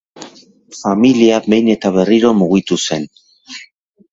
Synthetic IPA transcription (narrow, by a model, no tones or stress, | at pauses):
familiabe̞jne̞t̪aβ̞e̞riɾo̞muɣit̪use̞n